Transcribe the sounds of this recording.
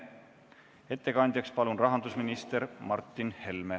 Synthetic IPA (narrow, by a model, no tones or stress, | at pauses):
e̞t̪ːe̞kɑnʲd̪̥ʲjɑkspɑlunrɑɦɑnd̪usminist̪e̞ɾmɑrt̪ːˑinhe̞lme